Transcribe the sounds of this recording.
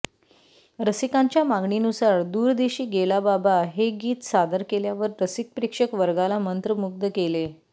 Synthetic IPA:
ɾəsikãɲt͡ɕjamaɡɳinusaɾd̪uːɾd̪eɕiːɡelababaɦeɡiːt̪sad̪əɾkeljaʋəɾɾəsik̚pɾikʂəkʋəɾɡalamənt̪ɾəmuɡ̚d̪əkele

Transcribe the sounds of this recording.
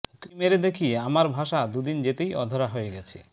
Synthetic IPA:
kimeɾed̪ekʰiamaɾbʱaʃad̪ud̪ind͡ʑet̪ejɔ̰d̪ʱoɾaɦojeɡɛt͡ɕʰḭ

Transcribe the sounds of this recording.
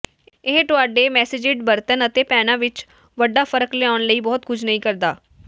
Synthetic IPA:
ɪɦʈʊaːɖeːmɛːsɪd͡ʒɪɖbəɾt̪ənət̪eːpɛːnãːʋɪt͡ʃ | ʋəɖːaːpʰəɾəkleaːʊnləiːbɔːt̪kʰʊt͡ʃʰnəĩːkəɾd̪a̰ː

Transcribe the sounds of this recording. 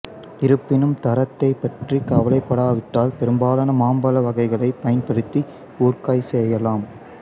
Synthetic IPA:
ɪɾɯpːɪnɯmt̪ɐɾɐt̪ːɐɪpːɐʈrikɐʋɐlɐɪpːɐɽaːʋɪʈːaːlpɛɾɯmbaːlɐnɐmaːmbɐlɐʋɐɣɐɪɣɐɭɐɪpːɐjɐnpɐɽɯt̪ːi | uːrkaːjsɛjɐlaːm

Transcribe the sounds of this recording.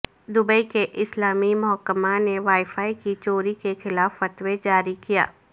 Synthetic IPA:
d̪ʊbəikeʔɪslaːmimʊɦəkːəmaneʋaːifaːikit͡ʃoːɾikexɪlaːfːɐt̪wed͡ʒaːɾikija̰ː

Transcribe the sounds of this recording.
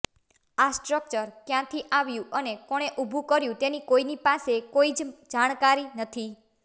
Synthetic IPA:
asʈɾək̚t͡ʃəɾkjãt̪ʰiʔaʋjũənekɔɽ̃eʔubʱũkəɾjũt̪enikoinipasekoid͡ʒd͡ʒaɽ̃kaɾinət̪ʰi

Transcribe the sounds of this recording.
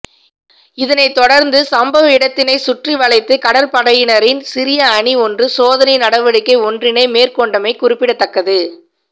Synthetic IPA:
ɪðɐnɐɪt̪ːɔɽɐɾnd̪ɯsɐmbɐʋɪɽɐt̪ːɪnɐɪsʊʈriʋɐɭɐɪt̪ːɯkɐɽɐɾpɐɽɐjɪnɐɾɪnsɪɾɪjɐːɳiɔndrɯsoːðɐnɐɪnɐɽɐʋɐɽɯkːɐɪɔndrɪnɐɪmeːrkɔɳɖɐmɐɪkʊrɪpːɪɽɐt̪ːɐkːɐðɯ

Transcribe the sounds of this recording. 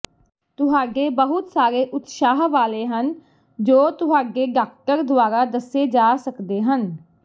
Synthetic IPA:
t̪ʊɦaːɖeːbəɦʊt̪saːɾeːʔʊt̪ʃaːɦʋaːleːɦən | d͡ʒoːt̪ʊɦaːɖeːɡaːkʈəɾd̪ʊaːɾaːd̪əseːd͡ʒaːsəkd̪eːɦən

